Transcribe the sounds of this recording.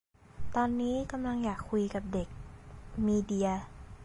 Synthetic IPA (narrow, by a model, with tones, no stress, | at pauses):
t̪ɔː˧nːiː˦˥ka˧mla˧ŋjaː˨˩kʰːu˧jka˨˩p̚de˨˩k̚miː˧di˧ɐ